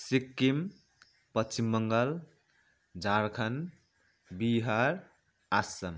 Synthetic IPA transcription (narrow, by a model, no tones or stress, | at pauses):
sikːim | pət͡ʃimːəŋɡəl | d͡ʒaɾkʰɐn | biɦaɾ | asɐm